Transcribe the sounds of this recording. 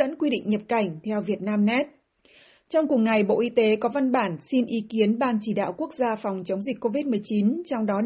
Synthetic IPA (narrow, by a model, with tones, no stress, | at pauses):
ə̰˧˥nkwi˧ɗḭ˧˨ŋ̟ɲə˨˩p̚ka˧˩jŋ̟t̪ʰɛ˧wvi˨˩ət̚naː˧mnɛ˦˥t̚ | t͡ɕɔ˧wŋ͡mkəŋŋa˨˩jɓo̰˧˨ʔi˨˦t̪e˨˦kɔ˨˦va˧nɓaː˧˩nsi˧nʔi˨˦ki˨˦ənɓaː˧nt͡ɕi˧˩ɗa̰ː˧˨wku˦˥ək̚zaː˧fa˨˩wŋ͡mt͡ɕə˨˦wŋ͡mzi˨˩k̟̚ko˧vi˦˥t̚mɨ˨˩əjt͡ɕi˨˦nt͡ɕɔ˧wŋ͡mɗɔ˨˦